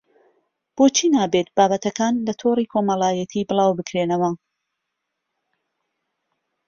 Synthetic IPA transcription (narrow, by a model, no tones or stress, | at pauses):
b̥oːt͡ʃʰiːnaːbet̪̚baːbɐt̪ɐkaːnlɐt̪ʰoːriːkʰoːmɐlaːjɐt̪ʰiːbɨlˠɑːwbɨkɾeːnɐwɐ